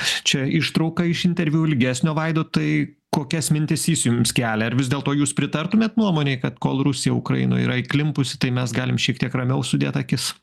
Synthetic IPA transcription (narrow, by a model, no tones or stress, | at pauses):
t͡ʃʲɛɪʃt̪ɾɐʊkɐɪʃɪnʲt̪ʲɛɾʲʋʲjuːlʲɪɡʲæːsʲnʲoːʋɐɪd̪oːt̪ɐɪ | koːkʲɛsmʲɪnʲt̪ʲɪsiːsʲjʊmskʲæːlʲɛɐɾʋʲɪzd̪ʲeːlˠt̪oːjuːspʲɾʲɪt̪ɐrt̪ʊmʲeːt̪nuɔmoːnʲeːɪkɐt̪koːlˠɾʊsʲɪjɛʊkɾɐ̰ɪno̰ːḭɾɐɪklʲɪmpʊsʲɪ̥t̪ɐɪmʲɛsɡɑːlʲɪmʃʲiɛkt̪ʲiɛkrɐmʲɛʊsʊd̪ʲeːt̪ɐkʲɪs